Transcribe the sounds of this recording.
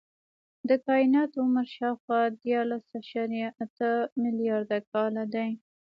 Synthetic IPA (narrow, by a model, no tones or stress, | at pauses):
d̪əkɑɪnɑt̪ʊməɾʃɑwxwɑd̪jɑɾlasaʃɑɾjaʔat̪əmɪlijɑɾd̪akɑlad̪aj